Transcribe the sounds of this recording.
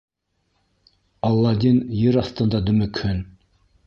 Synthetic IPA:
ɑlˠːɑd̪injɘɾɑθt̪ɤ̆nd̪ɑd̪ɵ̆mɘkhɵn

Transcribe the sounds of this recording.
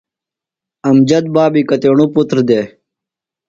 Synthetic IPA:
ɐmd͡ʑɐd̪̚baːbikɐt̪eːɳuput̪ɾd̪eː

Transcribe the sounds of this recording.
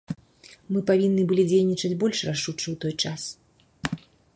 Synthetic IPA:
mɨpavʲinːɨbɨlʲid͡zʲejnʲit͡ʂɐd͡zʲbɔlʲʂraʂut͡ʂɨwt̪ɔjt͡ʂas

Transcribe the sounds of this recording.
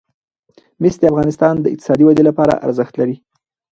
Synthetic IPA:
mesd̪əafɣɑnɪst̪ɑnd̪əɪk̚t̪ɪ̥sɑd̪iwad̪elapɑɾa̰ʔa̰ɾzəxt̪laɾi

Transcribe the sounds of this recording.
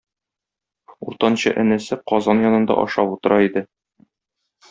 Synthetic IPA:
uɾt̪ɑnɕɤ̰ʔɘ̆nɘ̆sɘqɒzɑnjɒnɤ̆nd̪ɑ̰ʔɒ̰ʃɑput̪ɤ̆ɾʔɑid̪ɘ

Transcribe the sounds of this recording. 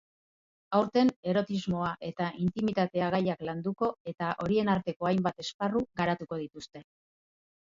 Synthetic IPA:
awɾt̪e̞ne̞ɾo̞t̪izmo̞aʔe̞t̪aʔint̪imit̪at̪e̞aɣ̞ajakland̪uko̞e̞t̪aʔo̞ɾie̞naɾt̪e̞ko̞ajmbat̪e̞sparuɣaɾat̪uko̞ð̞it̪ust̪e̞

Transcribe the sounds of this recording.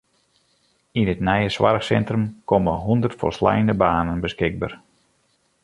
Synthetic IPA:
inətnɛjəswa̰rxsɛntrəmkoməɦundərtfo̰lsla̰jəndəbaːnənbəskɪɡ̚bər

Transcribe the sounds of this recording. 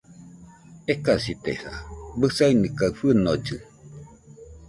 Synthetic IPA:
ekasit̪ḛsa̰bɨsainikaɯfɨnod͡ʒɨ

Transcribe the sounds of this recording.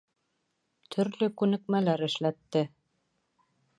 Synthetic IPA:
t̪ʰɵ̆ɾlɵkʉnɘ̆kmælæɾɘ̆ʃlæt̪ːɘ

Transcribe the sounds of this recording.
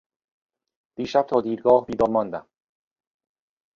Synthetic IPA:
d̪̥iːʃæb̚t̪ʰɒːd̪iːɾɡɒːhbiːd̪ɒːɾmɒnd̪æm

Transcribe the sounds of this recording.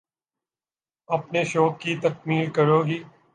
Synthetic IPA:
ɐpneʃoːb̚kit̪ɐk̚miːlkɐɾoːɡiː

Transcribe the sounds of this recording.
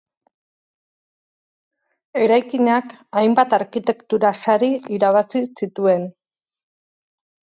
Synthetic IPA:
e̞ɾajkiɲakajmbat̪aɾkit̪e̞kt̪uɾasaɾiiɾaβasisit̪ue̞n

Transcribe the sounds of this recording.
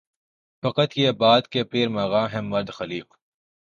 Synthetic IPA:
fɐqət̪jeːbaːd̪kepeːɾmaːɣaːɦɛ̃mʋɐɾd̪xɐliːq

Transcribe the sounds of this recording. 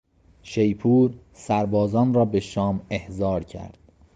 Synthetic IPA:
ʃejpʰuːɾ | sæɾbɒːzɒːnrɒːbe̞ʃɒːmehzɒːɾcʰæ̰ɾd̪̥̚

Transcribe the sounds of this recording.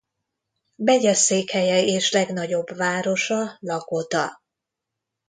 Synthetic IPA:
bɛɟɛseːkhɛjɛeːʃlɛɡnɒɟo̞bvaːɾo̞ʃɒlɒkot̪ɒ

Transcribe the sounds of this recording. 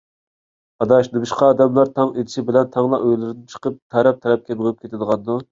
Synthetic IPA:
ɑd̪ɑʃd̪ɨbuʃqʰɑːd̪ɛmlˠɑɾt̪ʰɑŋed̪ɪʃibɪlɛnt̪ʰɑŋlˠɑʔøjlɪɾɪd̪ɪt͡ʃʰə̥qəp̚t̪ʰɛɾɛp̚t̪ʰɛɾɛp̚kʲʰebʁʊɨp̚kʲʰet̪ʰɪd̪əʁɑnd̪u

